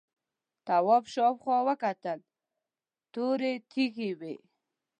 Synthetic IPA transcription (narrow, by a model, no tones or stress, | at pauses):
t̪awɔpʃɔpχwɔwəkat̪əl | t̪oɾet̪ʰixiwe